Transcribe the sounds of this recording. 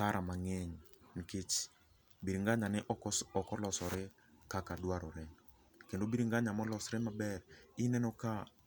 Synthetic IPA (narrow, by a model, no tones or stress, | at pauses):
kaɾʔamaŋɛɲnkɪt͡ʃ | biɾiŋɡaɲanɛʔɔkɔlɔsɔɾɪ | kakadwaɾɔɾɛ | kendobiɾiŋɡaɲamɔlɔsɾɛmabɛrɪnɛnɔka